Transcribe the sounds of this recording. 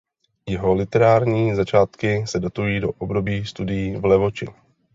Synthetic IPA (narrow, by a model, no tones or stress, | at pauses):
jɪɦo̞lɪt̪ɛɾaːɾɲiːzat͡ʃaːt̪kɪsɛdo̞t̪ujiːdo̞ʔobdo̞biːst̪udɪjiːvlɛvo̞t͡ʃɪ̰